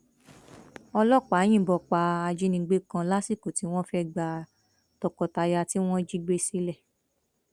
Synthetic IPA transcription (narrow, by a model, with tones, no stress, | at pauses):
ɔ˧lɔ˦˨k͡pa˨˦j̃ĩ˦˨bɔ˧˨k͡pa˧a˧d͡ʒi˦nĩ˧ɡ͡be˦kã˧la˦si˦˨ko˨ti˦w̃ɔ̃˦fɛ˦˨ɡ͡ba˧ | tɔ˨kɔ˧ta˧ja˧ti˦w̃ɔ̃˦d͡ʒi˦ɡ͡be˦si˦lɛ˦˨